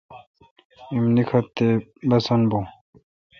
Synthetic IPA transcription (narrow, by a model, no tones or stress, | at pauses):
imnikʰɐt̪ːebɐsɐnbo